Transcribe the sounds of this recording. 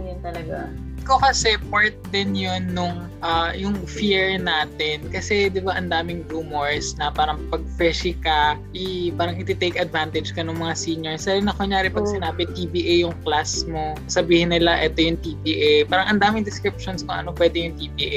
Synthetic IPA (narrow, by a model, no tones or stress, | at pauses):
jɪnt̪ɐlɐɡa | ɪkokɐsɛpoɹt̪̚d̪ɛnjonːʊŋ | ʔajʊŋfiɹnaːt̪ɛnkɐsɛd̪ɪbaʔɐnd̪aːmɪŋɾuːmoɹsnɐpaːɾɐŋpɐɡ̚fɛʃɪkɐʔɪpaːɾɐŋɪt̪ɪt̪ejkɐd̪vant̪ɛd͡ʒkɐnʊŋmɐŋasiːɲɛɹsd̪aɾɪnɐkoɲjaːɾɪpɐɡsɪnaːbɪt̪iːbiːʔejjʊŋklasmo | sɐbiːhɪnːɪlaʔɛt̪ojʊŋt̪iːbiːʔejpaːɾɐŋʔɐnd̪aːmɪŋd̪ɪskɾɪp̚ʃonskʊŋʔɐ̰nopwɛːd̪ɛjʊŋt̪ibiːʔe